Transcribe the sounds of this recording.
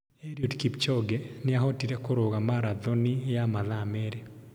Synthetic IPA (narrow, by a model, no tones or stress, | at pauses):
eɾiudkipt͡ʃɔɡɛneaɦotiɾɛkoɾoɣamaɾaðonijamaðameɾe